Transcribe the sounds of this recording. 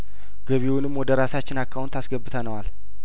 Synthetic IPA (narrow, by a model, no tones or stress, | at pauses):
ɡ̥əβiwunɨmːwɔd̪əɾasat͡ʃːɪnakʰːawunt̪ʰasɡəbːɨt̪ʰənəwal